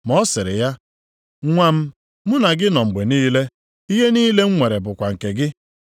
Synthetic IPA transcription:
mɔ˦sɪ˨ɾɪ̰˨ja˦ | ŋʷa˦m̩˦ | mʊ˦na˨ɡɪ˦nɔ˨ŋ͡m̩˨ɡ͡be˨niː˦le˦ | i˦ɦe˦niː˦le˦ŋ͡m̩˦ŋʷe˨ɾe˨bʊ˨kʷa˨ŋ̩˨ke˨ɡɪ˦

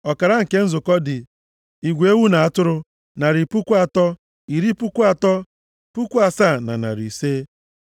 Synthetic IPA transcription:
ɔ˨ka˨ɾa˦ŋ̩˨ke˦n̩˦zʊ˨kɔ˦dɪ˨ | i˨ɡʷe˦wu˦na˨a˦tʊ˦ɾʊ˦ | na˨ɾɪ˨pu˦kʷu˦a˨tɔ˦ | i˨ɾi˦pu˦kʷu˦a˨tɔ˦ | pu˦kʷa˨sa˦˨na̰˨na̰˨ɾḭ˨seː˦

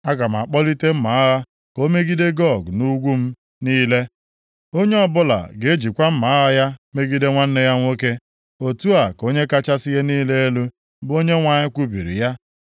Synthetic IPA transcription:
a˦ɡa˨m̩˨a˨k͡pɔ˦li˦te˦m̩˦ma˨a˦ɣa˦ | ko˦me˦ɡi˦de˦ɡɔ˦˨ɡnu˦ɡʷu˦m̩˦ | niː˦le˦ | o˦ɲe˦ɔ˦bʊ˦la̰˨ɡe˨e˦d͡ʒi˨kʷa˦m̩˦ma˨a˦ɣa˦ja˦me˦ɡi˦de˦ŋʷa˦n̩˦ne˦ja˦ŋʷo˦ke˦ | o˨tu˦a˨ko˦ɲe˦ka˦t͡ʃa˦si˦ɣe˦niː˦le˦e˦lu˦ | bo˦ɲe˦ŋʷa˨ɲɪ˦kʷu˦bḭ˨ɾḭ˨ja˦

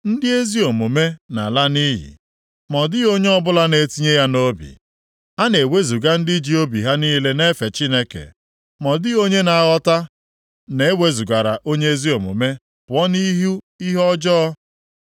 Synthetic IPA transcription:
n̩˦dɪ˦e˦zi˦o˨mu˨me˦na˨la˦ni˦ɦḭ˨ | mɔ˨dɪ˦o˦ɲe˦ɔ˦bʊ˦la˦ne˨ti˦ɲe˦ja˦no˦bḭ˨ | a˦ne˨we˦zu˨ɡa˦n̩˦dɪ˦d͡ʒi˦o˦bi˨ɦa˦niː˦le˦ne˦fe˨t͡ʃi˦ne˦kḛ˨ | mɔ˨dɪ˦o˦ɲe˦na˨a˦˨ɣɔ˦ta˦ | ne˨e˦we˦zu˨ɡa˨ɾa˨ʔo˦ɲe˦e˦zi˦o˨mṵ˨me˦ | pʊ˨ɔ˦ni˦ɦu˦ | i˦ɦɔ˦d͡ʒɔ˦

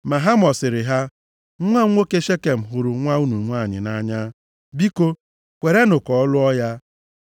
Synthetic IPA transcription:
ma˨ɦa˦mɔ˨sɪ˨ɾɪ˨ɦa˦ | ŋʷa˦ŋʷo˦ke˦ʃe˦ke˨m̩˨ɦʊ˨ɾʊ˨ŋʷa˦u˦nu˨ŋʷa˦˨ɲɪ̰˨na˦ɲa˦ | bi˦ko˦ | kʷe˨ɾe˦nʊ˨kɔ˨ɔ˦lʊ˦ɔ˦ja˦

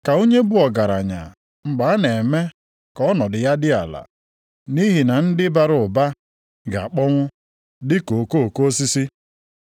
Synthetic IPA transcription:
ka˨o˦ɲe˦bʊ˦ɔ˨ɡa˨ɾa̰˨ɲa̰˨ | ŋ͡m̩˨ɡ͡ba˨˦ne˨me˦ | kɔ˦nɔ˨dɪ˨ja˦dɪ˦a̰˨la̰˨ | ni˦ɦi˨na˨n̩˦dɪ˦ba˦ɾʊ˨ba˦ | ɡa̰˨a˨k͡pɔ˦ŋʷʊ˦ | dɪ˦ko˨ko˦˨ko˦si˦si˦

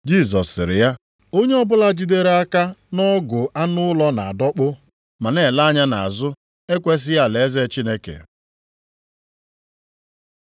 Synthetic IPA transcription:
d͡ʒi˦˨s̬ɔ˨sːɪ˨ɾɪ̰˨ja˦ | o˦ɲe˦ɔ˦bʊ˦la˦d͡ʒi˦de˦ɾe˦a˦ka˦nɔ˦ɡʊ˨ʔa˦nʊ˦lɔ˦na˨a˨dɔ˦k͡pʊ˦ | ma˨ne˨la˦ɲa˦na̰˨a˨zʊ˦ | e˦kʷe˦s̬ɪ˦ja˦˨le˨e˦ze˦t͡ʃi˦ne˦kḛ˨

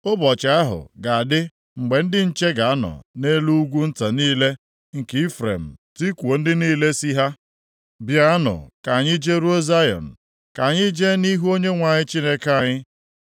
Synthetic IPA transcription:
ʊ˦bɔ˨t͡ʃa˨a˦ɦʊ̰˨ɡa˨a˨dɪ˦ | ŋ͡m̩˨ɡ͡be˨n̩˦dɪ˦n̩˦t͡ʃe˦ɡa˨a˦nɔ̰˨ne˦lu˦ɡʷu˦n̩˦ta˨niː˦le˦ | ŋ̩˨ke˨˦i˦fɾḛ˨m̩˨ti˦kʷu˨o˨n̩˦dɪ˦niː˦le˦si˦ɦa˦ | bja˦nʊ̰˨ka˨ɲɪ˦d͡ʒe˦ɾo˦za˦jɔ̰˨n̩˨ | ka˨ɲɪ˦d͡ʒe˦ni˦ɦu˦o˦ɲe˦ŋʷa˨ɲɪ˦t͡ʃi˦ne˦ka˨ɲɪ˦

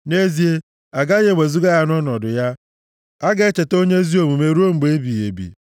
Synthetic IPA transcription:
ne˦zi˨e˦ | a˨ɡa˦ɲe˦˨ɡ͡be˨zu˦ɡa˦ja˦n˦ɔ˦nɔ˨dʊ˨ja˦ | a˦ɡe˦t͡ʃe˨to˦ɲe˦zi˦o˨mu˨me˨ɾu˦o˦ŋ͡m̩˨ɡ͡be˨e˦bi˨je˨bḭ˨

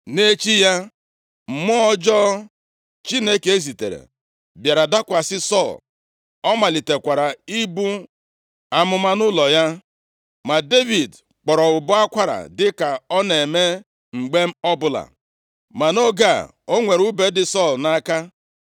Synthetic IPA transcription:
ne˦t͡ʃi˦ja˦ | m̩˨mɔ˦ɔ˦d͡ʒɔ˦ | t͡ʃi˦ne˦ke˨e˦zi˨tḛ˨ɾḛ˨ | bja˨ɾa˨da˦kʷa˨sɪ˦sɔ˦˨l | ɔ˦ma˨li˨te˨kʷa˨ɾa˨i˦bu˦ | a˨mʊ˦ma˦nʊ˦lɔ˨ja˦ | ma˨de˦vi˨d | k͡pɔ˨ɾɔ˨ʊ˨bʊ˦a˦kʷa˦ɾa̰˨dɪ˦ka˨ɔ˦ne˨me˦ | ŋ͡m̩˨ɡ͡be˦m̩˦ɔ˦bʊ˨la̰˨ | ma˨no˦ɡa˦˨ | o˦ŋʷe˨ɾu˦be˦dɪ˨sɔ˦˨lna˦ka˦

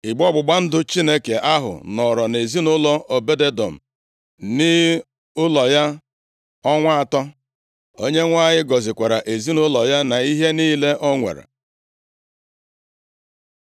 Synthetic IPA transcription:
ɪ˨ɡ͡bɔ˦ɡ͡bʊ˨ɡ͡ba˦n̩˦dʊ˦t͡ʃi˦ne˦ke˨ʔa˦ɦʊ̰˨nɔ˨ɾɔ˨ne˨zi˦nʊ˦lɔ˦ʔo˨be˦de˦dɔ̰˨m̩˨ | nɪ˦ | ʊ˦lɔ˨ja˦ | ɔ˦ŋʷa˦a˨tɔ˦ | o˦ɲe˦ŋʷa˦˨ɲɪ˦ɡɔ˨zɪ˨kʷa˨ɾa˨ʔe˨zi˦nʊ˦lɔ˨ja˦na˨i˦ɦe˦niː˦le˦ʔɔ˦ŋʷḛ˨ɾḛ˨

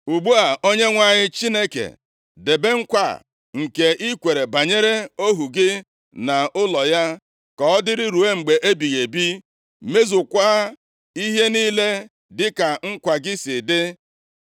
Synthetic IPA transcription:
u˨ɡ͡bu˦a˨o˦ɲe˦ŋʷa˨ɲɪ˦t͡ʃi˦ne˦kḛ˨ | de˨be˦ŋ̩˦kʷa̰˨ | ŋ̩˨ke˨i˦kʷe˨ɾe˨ba˨ɲe˦ɾe˦o˦ɦu˨ɡɪ˦ | na˨ʊ˦lɔ˨ja˦ | kɔ˨ɔ˦dɪ˦ɾɪ˦ɾu˨e˦ŋ͡m̩˨ɡ͡be˨ʔe˦bi˨ɣe˨bi˦ | me˦zʊ˨kʷaː˦ | i˦ɦe˦niː˦le˦ | dɪ˦ka˨ŋ̩˦kʷa˨ɡɪ˦sɪ˨dɪ˦

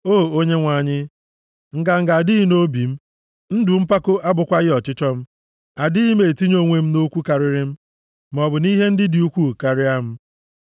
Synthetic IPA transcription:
o˦˨o˦ɲe˦ŋʷa˨ɲɪ˦ | ŋ̩˨ɡa˨ŋ̩˨ɡa˨dɪ˦i˦no˦bi˨m̩˦ | n̩˦dʊ˨m̩˦pa˦kʊ˦ʔa˦bʊ˨kʷa˦ɣɪ˦ɔ˨t͡ʃɪ˦t͡ʃɔ˦m̩˦ | a˨di˦i˦me˨ti˦ɲo˦˨ŋʷe˨m̩˦no˦kʷu˦ka˨ɾɪ˦ɾɪ˦m̩˦ | m˨ɔ˨bʊ˨ni˦ɦe˦n̩˦dɪ˦di˨u˦kʷu˦˨ka˨ɾɪ˦a˦m̩˦

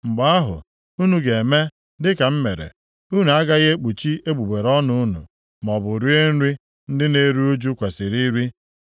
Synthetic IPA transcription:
ŋ͡m̩˨ɡ͡ba˦a˦ɦʊ̰˨ | u˦nu˨ɡe˨e˨me˦ | dɪ˦ka˨m̩˦me˨ɾḛ˨ | u˦nu˨a˦ɡa˦ɣe˦k͡pu˨t͡ʃi˦e˦ɡ͡bu˨ɡ͡be˨ɾɔ˦nʊ˦nṵ˨ | m˨ɔ˨bʊ˨ɾi˦e˦n̩˦ɾi˦ | n̩˦dɪ˦ne˦ɾu˦o˦d͡ʒu˦kʷe˨sɪ˨ɾi˦ɾi˦

